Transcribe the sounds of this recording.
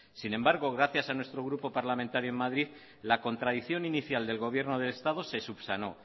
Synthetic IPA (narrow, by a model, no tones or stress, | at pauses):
sinẽ̞mbaɾɣ̞o̞ɣ̞ɾaθjasanwe̞st̪ɾo̞ɣ̞ɾupo̞paɾlamẽnt̪aɾjoemaðɾið | lako̞nt̪ɾaðiθjo̞niniθjald̪e̞lɣo̞β̞je̞ɾno̞ð̞e̞le̞st̪að̞o̞se̞suβsano̞